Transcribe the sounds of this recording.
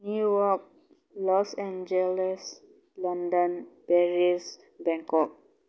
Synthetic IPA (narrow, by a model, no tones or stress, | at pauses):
njujɔk̚ | lɔsɛ̃nd͡ʒɛlɛs | lɔ̃ndə̃npɛɹis | bɛ̃ŋkɔk̚